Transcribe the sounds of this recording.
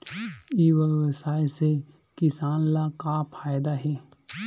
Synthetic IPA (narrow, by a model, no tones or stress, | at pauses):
iʋəʋəsaːjse | kɪsaːnlakaːpʰaːjd̪aɦɛː